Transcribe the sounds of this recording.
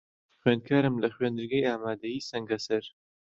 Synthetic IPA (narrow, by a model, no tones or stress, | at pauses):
xwɥeːnd̪̚kʰaːɾɨmlɐxweːnd̪ɨɾɡajaːmaːd̪ɐjiːsɐŋɡɐsɐɾ